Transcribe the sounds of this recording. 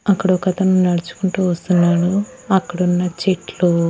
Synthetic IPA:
ɐkːɐɽɐɔkɐt̪ɐnunɐɽut͡ʃu̥kuɳʈuːʋɐst̪unːaːɽu | ɐkːɐɽunːɐt͡ʃeʈlu

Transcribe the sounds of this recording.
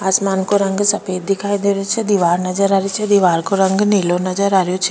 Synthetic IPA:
aːsmaːnkoɾɐŋɡsɐpeːd̪ɪkʰaːjd̪eɾot͡ʃʰid̪iʋaːɾnɐd͡ʒəɾaːɾjot͡ʃʰid̪iʋaːɾkoɾɐŋɡneːlonɐd͡ʒəɾaːɾjot͡ʃʰi̥

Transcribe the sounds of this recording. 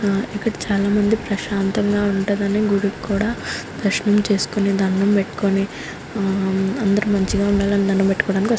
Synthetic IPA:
ikːɐɽɐt͡ʃaːlaːmɐnd̪ipɾɐʃaːnt̪ɐŋɡaːuɳʈud̪ɐneːɡuɽukkuːɽaːd̪ɐʂnɐmt͡ʃe̞ːsu̥kuned̪ʱɐɳːɐmpeʈːu̥koni | ɐnd̪ɐɾumɐɲt͡ʃiɡaːuɳɖaːlɐnd̪ʱɐnːɐmpeʈːu̥kɔːɽaːnikʲi

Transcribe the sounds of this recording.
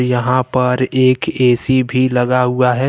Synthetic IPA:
jɐɦãpɐɾeːkeːsibʱilɐɡaɦuaɦɛ

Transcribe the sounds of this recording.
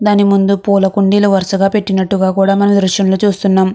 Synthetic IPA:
d̪aːnimund̪upuːlɐkuɳɖiːlɐʋɐɾɐsɐɡaːpe̞ʈːinɐʈːuɡaːkuːɽaːmɐnɐmd̪ɾuʂjɐmloːt͡ʃuːst̪unːaːm

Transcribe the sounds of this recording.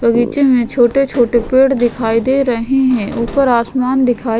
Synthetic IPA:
pəɡit͡ʃẽmẽt͡ʃʰoːʈet͡ʃʰoːʈepeːɽd̪ɪkʰaːid̪eɾɐɦeɦɛ̃ʔʊːpəɾaːsmaːnd̪ɪkʰaː

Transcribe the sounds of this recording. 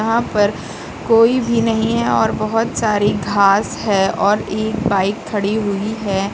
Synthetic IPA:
ɐɦãpɐɾ | koːibʱinɐɦĩɦɛɔːɾbɐɦʊt̪saːɾiɡʱaːsɦɛɔːɾeːk̚baːɪkʰːɐɽiɦʊiɦɛː

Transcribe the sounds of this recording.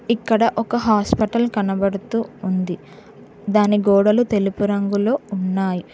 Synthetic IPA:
ikːɐɽɐʔɔkɐɦaːspɐʈɐlkɐnɐbɐɽut̪uːnd̪i | d̪aːniɡɔːɽɐlut̪e̞lupuɾɐŋɡulo̞ːunːaːji

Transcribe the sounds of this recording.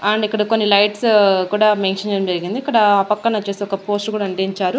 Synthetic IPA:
aːɳɖikːɐɽɐkonːilɐjʈskuːɽaːmeːnʃɐnɲd͡ʒeɽɐmd͡ʒɐɾiɡind̪iːkːɐɽɐaːpɐkːɐnɐt͡ʃeːseɔkɐpo̞ːsʈkuːɽaɐɳɖiɲt͡ʃaːɾu

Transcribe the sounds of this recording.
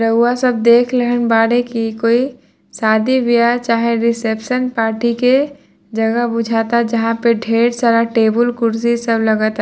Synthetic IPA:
ɾəɦuwasəb̚d̪eːkʰleɦənbaːɽekikoːi | saːd̪iʋijat͡ʃaːɦeɾɪsepʃənpaːɾʈike | d͡ʒəɡəbʊd͡ʒʱaːt̪ad͡ʒəɦãpeɖʱeːɽsaɾaʈeːbəlkʊɾs̬isəbləɡət̪

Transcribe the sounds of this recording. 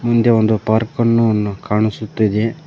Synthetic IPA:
mund̪eond̪upaːɾkɐnːukaːɳisut̪ːid̪e

